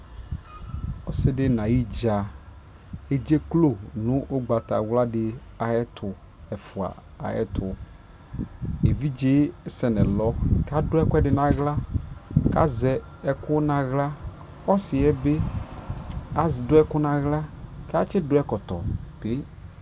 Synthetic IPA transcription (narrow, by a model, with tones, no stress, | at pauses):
ɔ˦sɪ˦dɪ˦nã˨ji˦d͡ʒa˨ | e˦d͡ʒe˦klo˦˨nʊ̃˦ʔo˦ɡ͡ba˨ta̰˨wla˦dɪ˨ | a˨jɛ˦tʰʊ˨ | ɛ˨fʊ˨a̰˨ | a̰˨ɛ̰˦tʰʊ˨ | e˨vi˦d͡ʒe˦sɛ˨nɛ˨lɔ˦ka˦dʊ˦ɛ˦kɛ˦dɪ˨nã˨ɣla˦ka̰˦zɛ˨ | ɛ˦kʊ˦nã˨ɣla˦ | ɔ˦sɪ˨ɛ˦be˦ | a˨zɪ˨dʊ˦ɛ˦kʊ˦nã˨ɣla˦ka˦t͡ʃɪ˦dʊ˦ɛ˦kɔ˨t̪ɔ̰˨b̥ɪ˦